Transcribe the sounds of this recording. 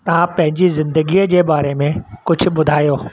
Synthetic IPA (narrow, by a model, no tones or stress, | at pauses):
t̪ɐʋ̤ãpɐ̃ɦɪ̃ɲd͡ʑizɪ̃nd̪əɡiːəd͡ʑeːbaːɾemẽkʊd͡ʑʱʊ̆ɓʊd̪ʱaːijoː